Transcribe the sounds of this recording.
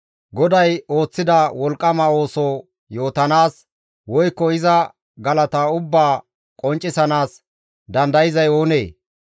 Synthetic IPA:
ɡɔd̪ɐjo̞ːt͡sːɪd̪ɐwɔlkʼːɐmɐo̞ːsoː | jo̞ːt̪ɐnaːs | wɔjkːɔɪzɐ | ɡɐlɐt̪aʊbːaː | kʼɔnt͡ʃʼːɪsɐnaːs | d̪ɐnd̪ɐjɪzɐjo̞ːnḛː

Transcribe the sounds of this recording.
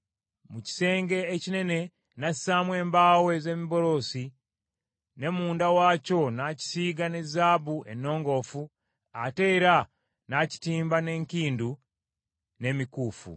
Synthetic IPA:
muci̥se̞ːŋɡe̞ːcine̞ne̞ | nassamwe̞ːmbaːwe̞ze̞miβo̞ɾo̞si | ne̞muːndawaːco̞naci̥siːɡane̞zaːβuenːo̞ːŋɡo̞fu | ate̞ːɾa | naci̥tiːmbane̞ːŋkiːndu | ne̞mikuːfṵ

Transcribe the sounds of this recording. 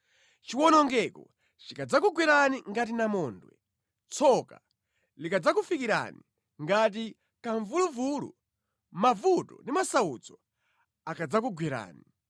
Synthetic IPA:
t͡ʃiwɔnɔŋɡɛkɔ̰ | t͡ʃikad͡zak̬uɡwiɾaniŋɡat̬inamɔːndwɛ̰ | t͡sʰɔka̰ | likad͡zakufikiɾa̰ni | ŋɡat̬i | kaɱvuluvulṵ | mavutɔ̰ndimasaud͡zɔ | akʰad͡zakuɡwiɾa̰ːni

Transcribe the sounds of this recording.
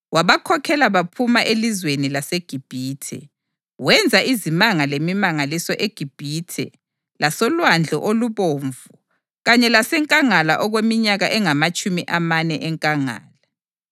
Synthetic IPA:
waβakʰɔkʰɛlaβapʰumaʔelizwenilaseɡ̥ʱib̥ʱiːtʰɛ̰ | wɛnd͡zʱaizimaŋalemimaŋalisɔʔeɡ̥ʱib̥ʱiːtʰɛ̰ | lasɔlwand͡ɮʱɔ̰ʔoluβoːɱvu | ɣaɲɛlasɛŋkʼaŋala̰ʔɔɣwemiɲaɣaʔɛŋamat͡ʃʼumiʔamanɛʔɛŋkʼaŋa̰ːla

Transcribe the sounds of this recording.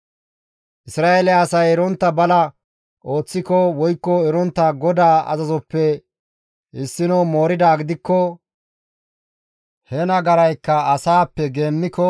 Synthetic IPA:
ʔɪsɾaːʔelɛɐsɐjɛɾɔnt̪ːɐbɐlɐ | ʔo̞ːt͡sːɪkɔwɔjkːɔɛɾɔnt̪ːɐɡɔd̪aːɐ̰zɐzɔpːɛ | ɪsːɪnɔmo̞ːɾɪd̪aːɡɪd̪ɪkːɔ | hɛnɐɡɐɾɐjkːɐɐsaːpːɛɡeːnːɪkɔ

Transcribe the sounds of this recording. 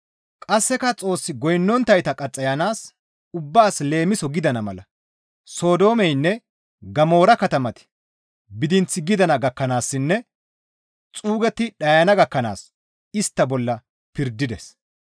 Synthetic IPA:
kʼɐsːɛkɐt͡sʼo̞ːsːɪɡɔjnːɔnt̪ːɐjt̪ɐkʼɐt͡sʼːɐjɐnaːs | ʊbːaːsle̞ːmɪsɔɡɪd̪ɐnɐmɐ̰lɐ | so̞ːd̪o̞ːmɛjnːɛ | ɡɐmo̞ːɾɐkɐt̪ɐmɐt̪ɪ̥ | bɪd̪ɪnt͡sɪɡɪd̪ɐnɐɡɐkːɐnaːsːɪnːɛ | t͡sʼuːɡɛt̪ːɪɗɐjɐnɐɡɐkːɐna̰ːs | ɪst̪ːɐbɔlːɐ | pɪɾd̪ɪd̪ɛs

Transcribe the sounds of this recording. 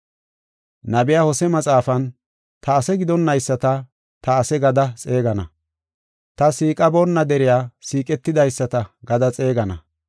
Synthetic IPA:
nɐbɪjaːhɔsɛmɐt͡sʼaːfɐn | t̪ɐːsɛɡɪd̪ɔnːɐjsːɐt̪ɐ | t̪ɐːsɛɡɐd̪ɐt͡sʼe̞ːɡɐnɐ̰ | t̪ɐsiːkʼɐbonːɐd̪ɛɾɪjaːsiːkʼɛt̪ːɪd̪ɐjsːɐt̪ɐɡɐd̪ɐt͡sʼe̞ːɡɐnɐ

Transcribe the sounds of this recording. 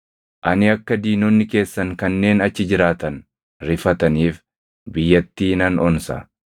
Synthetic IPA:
ʔɐnɪɐkːɐd̪iːnonːɪke̞ːsːɐŋkɐnːe̞ːnɐt͡ʃːɪd͡ʒɪɾaːt̪ɐn | ɾɪfɐt̪ɐniːf | bɪjːɐt̪ːiːnɐnʔɔnsɐ̰

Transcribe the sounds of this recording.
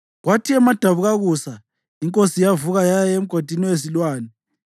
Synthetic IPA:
ɣwatʰiɛmad̥ʱaβuɣaɣuːsa | iŋkʼosijavuɣajajem̩ɡ̥ʱod̥ʱiniwes̬ilwaːni

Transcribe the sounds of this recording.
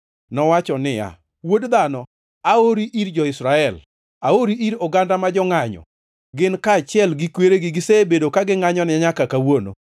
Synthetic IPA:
nɔwat͡ʃɔnɪa̰ | wodd̪anɔ | aoɾiʔiɾd͡ʒɔɪsɾaɛl | aoɾiʔiɾoɡandamad͡ʒɔŋaɲɔ̰ | ɡɪnkaːt͡ʃɪɛlɡɪkweɾeɡɪɡɪsebedokaɡɪŋaɲɔnɪɲakakawono̰

